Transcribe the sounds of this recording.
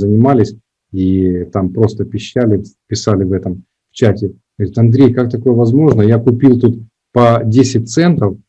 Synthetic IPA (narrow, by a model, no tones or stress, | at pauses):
zənʲɪmalʲɪsʲ | it̪ampɾo̞st̪əpʲɪɕːælʲɪpʲɪsalʲɪvɛt̪əm | ft͡ɕætʲɪ | ɡɾʲɪt̪ɐnd̪ɾʲejkak̚t̪ɐko̞jəvɐzmo̞ʐnəjakʊpʲilˠt̪ut̪ | pɐdʲesʲɪt̚ʲt̪sɛnt̪əf